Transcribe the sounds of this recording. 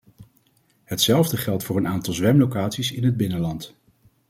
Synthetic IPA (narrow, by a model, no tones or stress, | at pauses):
ɦətsɛlˠvdəχɛlˠtfʊːɹənaːntɑlˠzʋɛmlowkaːtsisɪnɦəd̚bɪnəlɑnt